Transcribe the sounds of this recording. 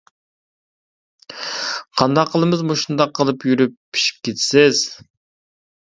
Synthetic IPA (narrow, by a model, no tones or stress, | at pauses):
qʰɑnd̪ɑqʰːəlˠəmɨzmoʃund̪ɑqʰːəlˠɨpjyɾypʰːi̥ʃi̥p̚kʲet̪sɪz̥